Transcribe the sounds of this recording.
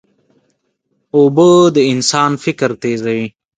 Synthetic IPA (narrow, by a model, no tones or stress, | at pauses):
obəd̪əɪnsaːnfɪkəɾt̪eːzɐi